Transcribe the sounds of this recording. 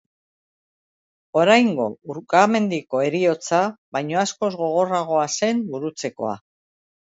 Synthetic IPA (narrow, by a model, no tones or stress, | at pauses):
o̞ɾajŋɡo̞uɾkame̞nd̪iko̞e̞ɾio̞t͡saβajɲo̞asko̞zɣo̞ɣ̞o̞raɣ̞o̞ase̞mbuɾut͡se̞ko̞̰a̰